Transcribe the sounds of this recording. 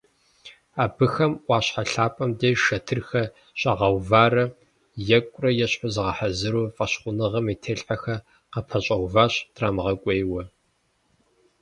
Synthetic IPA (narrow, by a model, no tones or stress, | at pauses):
aːbɨxɐmʔʷɑːɕħaɬaːpʼɐmdejʃɐtʰɨrxɐ | ɕʼɐʁɐwvaːrɐ | jɛkʷʼʊrɐjɛɕħʊzɨʁɐħazɨɾuːfʼɐɕχʷʊnɨʁɐmiːtʰeːɬħaxɐ | qɐpʰɐɕʼɐwvaːɕdraːmɨʁɐkʷʼeːjwɐ